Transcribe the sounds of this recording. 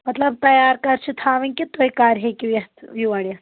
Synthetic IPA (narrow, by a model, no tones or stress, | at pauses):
mɐt̪ləb̚t̪ɐjaɾkaɾt͡ɕʰit̪ʰaʋinkit̪ːojkaɾɦekiʋjɐt̪ʋiʋaɽia